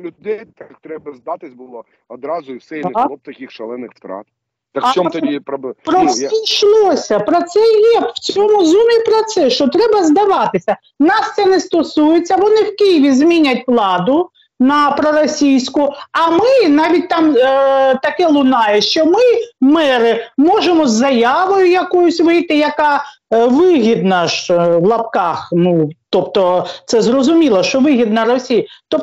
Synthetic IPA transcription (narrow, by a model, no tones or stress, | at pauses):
lʲʊd̪ɛjt̪ak̚t̪ɾɛbɐzd̪ɑt̪ɪsʲbʊlˠɔ | ɔd̪ɾɑzʊiwsɛjˠɔp̚t̪ɐkʲixʃɛlˠɛnːɪxft̪ɾɑ̰t̪̚ | t̪ɐkt͡ʃɔippɾɔijʃlˠɔsʲɐpɾɔt̪sɛjɛwt͡sʲɔmʊzumʲipɾɔt̪sɛʃt͡ʃɔt̪ɾɛbɐzd̪ɐʋɑt̪ɪsʲɐ | nɑst̪sɛnɛst̪ɔsujet͡sʲːɐʋɔnɪwkijɪʋʲizmʲinʲɐt̚ʲʋlˠɑd̪ʊ | nɐpɾɔɾɔsʲijsʲkʊɐmɪnɑʋʲit̚ʲt̪ɑmt̪ɐkɛlˠʊnɑjɛʃt͡ʃɔmɪmɛɾɪmɔʒemɔzːɐjɑʋɔjʊjɐkɔjʊsʲʋɪjt̪ɪjɐkɑ | ʋɪɦʲid̪nɐʃwlˠɐpkɑxnut̪ɔpt̪ɔt̪sɛzrɔzʊmʲilˠɐʃt͡ʃɔʋɪɦʲid̪nɐɾɔsʲijɐt̪ɔ